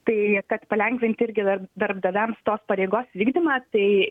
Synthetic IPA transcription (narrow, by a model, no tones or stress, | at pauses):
t̪ɐɪkɐt̪pɐlʲɛŋʲkʋʲɪnʲt̪ʲɪɾʲɡʲɪd̪ɐd̪ɐrbd̪ɐʋʲɛmst̪oːspɐɾʲɛɪɡoːsʋʲiːɡd̪ʲɪmɐt̪ɐɪ